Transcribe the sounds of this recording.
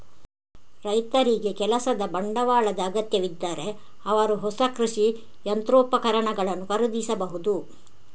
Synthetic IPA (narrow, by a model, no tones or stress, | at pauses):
ɾɐjt̪ɐɾiɡe̞kɛlɐsɐd̪ɐbɐɳɖɐʋaːɭɐd̪ɐːɡɐt̪jɐʋid̪ːaːɾe̞ | ɐʋɐɾuɦɔsɐkɾuʂi | jɐnt̪ɾoːpɐkɐɾɐɳɐɡɐɭɐnːukɐɾud̪isɐbɐɦud̪u